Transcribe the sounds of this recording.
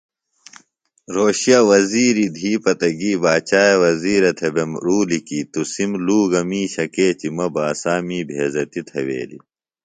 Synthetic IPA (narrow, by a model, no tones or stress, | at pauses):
ɾoːɕijɐwɐziːɾid̪ʱiːpɐt̪ɐɡiːbaːt͡ɕaːjɐwɐziːɾɐt̪ʰebemɾuːlikit̪usimluːɡɐmiːɕɐkeːt͡ɕimɐbaːsaːmiːbʱeːzɐt̪it̪ʰewḛːlḭ